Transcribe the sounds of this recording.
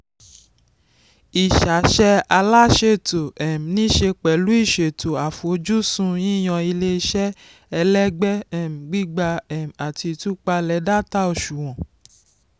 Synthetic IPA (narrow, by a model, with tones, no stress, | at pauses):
i˨ʃa˨˦ʃɛ˦˧a˧la˦ʃe˦˨to˨ɛ˨m̩˨nĩ˦ʃe˧k͡pɛ˨lu˨˦i˦˨ʃe˨to˨a˨fu˨o˨˧d͡ʒu˦sũ˧jĩ˦˨j̃ɔ̃˧i˧le˦i˧ʃɛ˦ | ɛ˧lɛ˦ɡ͡bɛ˦ɛ˦˨m̩˨ɡ͡bi˦ɡ͡ba˧ɛ˨m˨a˨ti˧tu˦k͡pa˧lɛ˨˦da˦ta˦o˧˨ʃu˨w̃ɔ̃˨